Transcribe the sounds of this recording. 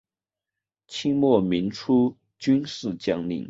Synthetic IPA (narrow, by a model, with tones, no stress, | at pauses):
t͡ɕʰi˥ŋmwɔ˥˩mi˧˥nʈ͡ʂʰu˥ | t͡ɕy˥nʂɻ̩˥˩t͡ɕjɑ˥ŋlḭ˧˩˦ŋ